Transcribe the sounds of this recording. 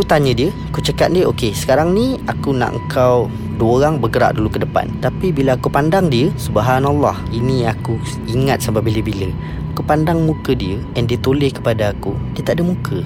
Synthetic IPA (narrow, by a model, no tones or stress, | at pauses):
akut̪aɲə̃diəakut͡ʃəkat̪̚diəʔokesə̥kaɾaŋnĩakuna̰ʔə̰ŋ̩kʰaw | duəoɾaŋbəɡəɾa̰ʔ̚dulukədəpa̰nt̪apibilaːkupandaŋdiəsubəɦanalːɑ̰hinĩaku | iŋat̪̚sambabiləbilə | akupandaŋmũkədiə | ɛndiət̪olɪhkə̥padaːkṵdiət̪aʔadəmũkʰə